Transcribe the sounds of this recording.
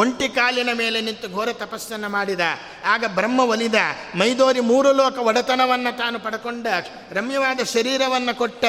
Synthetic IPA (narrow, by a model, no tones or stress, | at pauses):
oɳʈikaːljɐnɐme̞ːlenint̪uɡʱoːɾɐt̪ɐpɐsjɐnːɐmaːɽid̪ɐ | aːɡɐbɾɐmːɐʋɐlid̪ɐ | mɐjd̪oːɾimuːɾulɔːkɐʋɔɽɐt̪ɐnɐʋɐnːɐt̪aːnupɐɽɐkoɳɖɐ | ɾɐmjɐʋaːd̪ɐʃɐɾiːɾɐʋɐnːɐkoʈːɐ